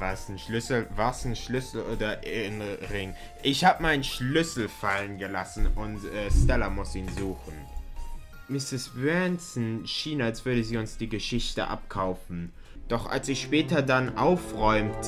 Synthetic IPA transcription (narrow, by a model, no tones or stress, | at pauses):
vasn̩ʃlʏsl̩vasn̩ʃlʏsl̩ʔoːdɐʔɪnʁɪŋ | ʔɪçhaːbəmaɪnəʃlʏsl̩falənɡəlasn̩ʊntʔɛːstɛlamʊsiːnzuːxn̩ | mɪsɪsbɛnsn̩ʃiːnalsv̥ʏɐɾəziːʊnsd̥iːɡəʃɪçtə̰ʔa̰p̚kʰaʊfn̩ | d̥ɔχʔa̰lsɪʃpɛːtɐdanʔa̰ʊfʁɔʏmt